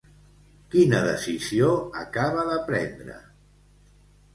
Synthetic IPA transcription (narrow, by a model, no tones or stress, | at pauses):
kinəðəsizioəkaβəðəpɾɛnd̪ɾə̰